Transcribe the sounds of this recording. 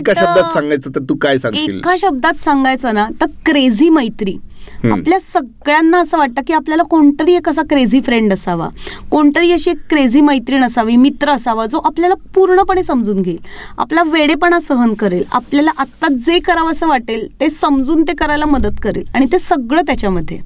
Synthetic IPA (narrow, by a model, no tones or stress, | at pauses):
kaɕəb̚d̪at̪sãŋɡajt͡səːt̪əɾt̪uːkajsãŋɡeḭlkaɕəb̚d̪at̪saŋɡajt͡sənat̪əɾkɾed͡ziːməjt̪ɾḭːa̰pljasəɡɭjanːaəsəːʋaʈ̚t̪əkiːapljalakoɳʈəɾiːekəs̬akɾed͡ziːfɾeɳɖəsaʋa̰koɳʈəɾiːəɕiːekːɾed͡ziːməjt̪ɾiːnəsaʋiːmit̪ɾəːsaʋad͡zoʔapljalapuɾɳəpəɳ̃esəmd͡zuːnɡʱeiːla̰plaʋeɽepəɳ̃asəɦənkəɾela̰pljalaʔat̪ːad͡zekəɾaʋəsəːʋaʈelt̪esəmd͡zuːnt̪ekəɾajlaməd̪ət̪kəɾḛlaɽ̃it̪esəɡɭəːt̪jat͡ɕjaməd̪ʱːjḛ